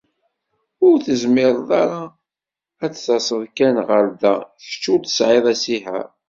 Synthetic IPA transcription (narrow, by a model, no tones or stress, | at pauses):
ʊɾθəzmɪɾˤðˤɑɾa | æt͡sθɑsˤəðkænʁəɾd̪æ̰θə̥t͡ʃːut̪ə̥sʕɪðˤæsihæ̰ɾ